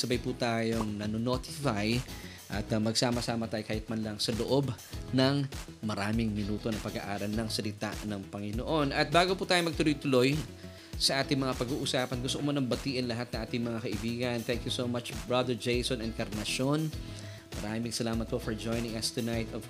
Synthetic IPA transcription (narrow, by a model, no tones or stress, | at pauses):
sɐbajput̪aːjo̞ŋnɐnonot̪ɪfaj | ʔɐt̪mɐɡsaːmɐsaːmɐt̪aːjokaːjɪt̪̚mɐnlɐŋsɐloʔo̞b | nɐŋ | mɐɾaːmɪŋmɪnuːt̪o̞nɐpɐɡa̰ʔaːɾɐlnɐŋsɐlɪt̪a̰ʔnɐŋpɐŋɪnoʔo̞nɐt̪̚baːɡoput̪aːjomɐɡ̚t̪ʊlojt̪ʊlo̞j | sɐʔaːt̪ɪŋmɐŋapɐɡuːʔʊsaːpɐnɡʊst̪oʔomonɐŋbɐt̪iːʔɪnlɐɦat̪̚nɐŋʔaːt̪ɪŋmɐŋakɐʔɪbiːɡɐnt̪ɛŋkjusowmat͡ʃbɹad̪ɛɹd͡ʒejsonɛn̚kɐɾnɐʃo̞n | mɐɾaːmɪŋsɐlaːmɐt̪̚po̞fɐɹd͡ʒo̞jnɪŋɐst̪ʊnajt̪ɔv